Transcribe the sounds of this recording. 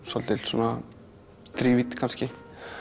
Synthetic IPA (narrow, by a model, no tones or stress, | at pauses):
sɔlt̪ɪlsuna | st̪ɾiːvit̪kʰanscɪ